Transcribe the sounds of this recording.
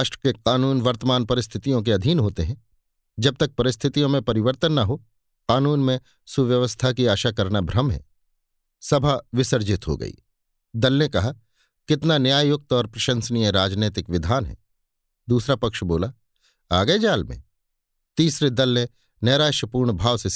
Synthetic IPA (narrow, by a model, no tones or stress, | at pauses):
aːʃʈɾəkeqaːnuːnʋɐɾt̪əmaːnpɐɾɪst̪ʰɪt̪ijõk̬eɐd̪ʱiːnɦoːt̪eɦɛ̃ | d͡ʒɐb̚t̪ɐk̚pɐɾɪst̪ʰɪt̪ijõmẽpɐɾɪʋəɾt̪ənːɐɦo | qaːnuːnmẽ | suʋjɐʋəst̪ʰakiaːʃakɐɾnabʱɾɐmɦɛ̰̃ː | sɐbʱaʋɪsəɾd͡ʒɪt̪ɦo̰ɡɐ̰ḭː | d̪ɐlnekɐɦa | kɪt̪nanjaːjʊk̚t̪ɔːɾpɾɐʃə̃nsnijẽɾaːd͡ʒneːt̪ɪkʋɪd̪ʱaːnɦɛ̰̃ː | d̪uːsɾapɐkʃboːla | aːɡəed͡ʒaːlmḛ̃ | t̪iːsɾed̪ɐlːẽ | nɛːɾaːʃəpuːɾɳbʱaːʋse